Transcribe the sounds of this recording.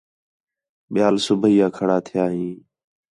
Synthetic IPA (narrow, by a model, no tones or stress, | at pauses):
ɓɪjaːlsʊbʱiːãːkʰəɽaːt̪ʰɪjaːɦĩː